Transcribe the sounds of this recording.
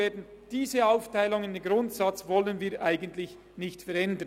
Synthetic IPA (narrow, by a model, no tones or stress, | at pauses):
eːɐdn̩d̥iːzəaʊftʰaɪlʊŋəndenɡɾʊntsɑt͡svɔlənviːʔaɪɡən̩tlɪç | nɪçtfɛɾɛndə